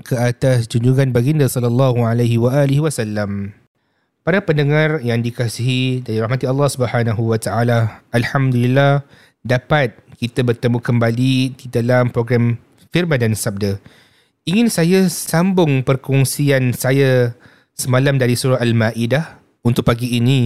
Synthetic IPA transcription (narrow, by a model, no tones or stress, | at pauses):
kʰəat̪asd͡ʒuɲd͡ʒuŋanbaɡindasɔlalːɑɦualajɦiwaʔalihiwasalːam | paɾapəndəŋarjaŋdikasiɦidaɾiɾaɦmat̪iɑlːɑhsubəhanaɦuwat̪aalaʔːlħamd̪ulilːah | dapat̪̚kit̪abərt̪əmũkəmbalididalampɾoɡɾam | firmãndansab̚də | iŋɪnsajasambʊŋpərkɔŋsiansaja | səmãlamdaɾisuɾaalmaʔidah | unt̪ʊʔ̚paɡiːnĩ